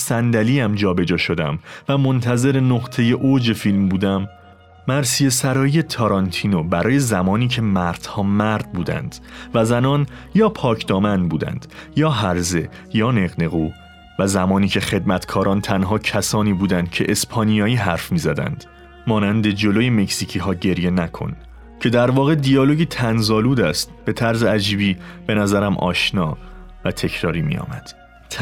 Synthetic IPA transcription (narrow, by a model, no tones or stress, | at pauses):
sænd̪æliːæmd͡ʒɒːbe̞d͡ʒɒːʃo̞d̪æ̰mvæmont̪ʰæze̞ɾe̞noʁt̪ʰe̞je̞ʔod͡ʒe̞filmbuːd̪æmː | æɾsije̞sæɾɒːjije̞t̪ʰɒɾɒnt̪ʰiːnobæɾɒːje̞zæmɒːniːcʰe̞mæɾd̪̥hɒːmæɾd̪̥̚buːd̪æ̰nd̪̥væzænɒːnjɒːpʰɒːcʰd̪ɒːmænbuːd̪æ̰nd̪̥jɒːɦæɾze̞ | jɒːne̞ɣne̞ɣuː | væzæmɒːniːcʰe̞χe̞d̪mæt̪ʰkʰɒːɾɒːnt̪ʰænɦɒːcʰæsɒːniːbuːd̪ænd̪̥cʰe̞ʔespʰɒnijɒːjiːɦæɾfmiːzæd̪æ̰nd̪̥ | mɒːnænd̪e̞d͡ʒo̞lojeme̞csiːcʰiːɦɒːɟe̞ɾje̞nækʰo̞̰n | cʰe̞d̪æɾvɒːɣe̞d̪ijɒːlo̞ɟit̪ʰænzɒːluːd̪æst̪b̥e̞t̪ʰæɾzeæd͡ʒiːbiːb̥e̞næzæɾæmʔɒ̰ːʃnɒːvæt̪ʰe̞cʰɾɒːɾiːmḭjɒ̰ːmæd̪̥ʰ